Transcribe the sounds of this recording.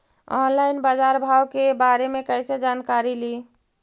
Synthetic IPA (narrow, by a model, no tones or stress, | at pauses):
ɔːnlaːɪnbad͡ʒaːɾbʱaːwkebaːɾemẽkəɪsed͡ʒaːnkaːɾiliː